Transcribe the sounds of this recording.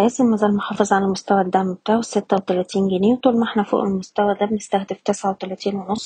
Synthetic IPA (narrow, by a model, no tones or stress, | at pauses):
æzemːæzæːlmoħɑːfɑzˤʕalælmost̪æwæd̪ːæʕmbt̪aːʕuwesːet̪ːæwet̪ælæt̪iːnɡæneːwt̪ˤulmʔeħnæfo̰ːʔelmost̪æwæd̪æbenest̪æxd̪eft̪esʕawet̪ælæt̪iːnwenosˤː